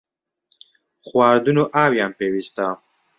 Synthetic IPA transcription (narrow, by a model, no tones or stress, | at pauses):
χwaːɾd̪unoʔaːwjaːmpewist̪a